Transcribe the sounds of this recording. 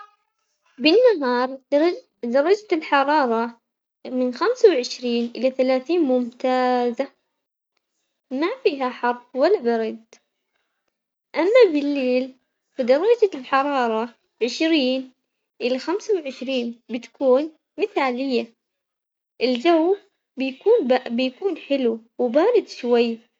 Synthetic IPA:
bɪnːaɦɑːɾˤ | d̪ɑɾˤːɑd͡ʒalħɑɾˤɑːɾˤɑ | mɪnxamsawʕɪʃɾiːnʔɪlaθalaːθiːnmʊmt̪aːza | mafiːɦaħɑɾˤbwalːabɪɾˤɑd̪ | ʔamːabɪlːeːl | fad̪ɑrˤːɑd͡ʒalħɑɾˤɑːɾˤɑ | ʕɪʃɾiːn | ʔɪlaxamsawʕɪʃɾiːnbɪt̪ḁkuːn | mɪθaːlɪjːa | ʔɪld͡ʒawː | bɪjkuːnbabɪjakuːnħɪluwɪbaːɾɪd̪ʃwajː

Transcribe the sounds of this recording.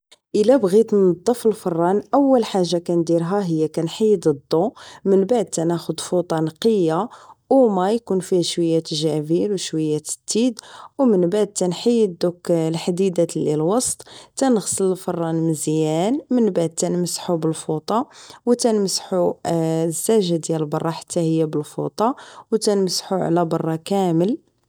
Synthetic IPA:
ʔəlæbɣit̪nɑd̪ˤːəfəlfɑrˤːɑnʔæwːəlħaʒːakænd̪iɾɦæɦəjːækænħəjːd̪əd̪ˤːomənbaʕd̪̚t̪ænæxʊd̪fut̪ˤɑnqəjːawmæjkunfihʃwəjːæt̪ʒævilwʃwəjːæt̪t̪ːid̪wmənbaʕd̪̚t̪ænħajːəd̪uklħd̪id̪ælilwɑsˤt̪ˤt̪ænəɣsˤələlfɑrˤːɑnməzjænmənbaʕd̪̚t̪ænməsħubəlfut̪ˤɑwt̪ænməsħu | zːæʒad̪jæləlbɑrˤːɑħḁt̪ːæhəjːæbəlfṵt̪ˤɑwt̪ænməsħuʕ̰læbɑrˤːɑkæməl

